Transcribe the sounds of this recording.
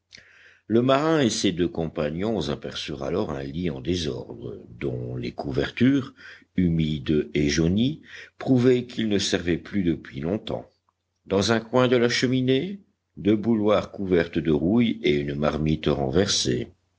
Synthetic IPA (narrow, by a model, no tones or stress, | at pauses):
ləmaʁɛ̃esed̪økɔ̃paɲjɔ̃zapɛʁsyʁa̰lɔʁɛ̰̃liɑ̰̃d̪ezɔ̰ʁd̪ʁə̰d̪ɔ̰̃lḛkuvɛʁt̪yːʁymid̪eʒonipχuvɛkʰilnəsɛʁvɛplyd̪əpɥilɔ̃t̪ɑ̰̃ | d̪ɑ̃zɛ̃kwɛ̃d̪əlaʃəmine | d̪øbulwaʁkuvɛʁt̪d̪əʁujeynmaʁmit̪ʁɑ̰̃vɛʁsḛ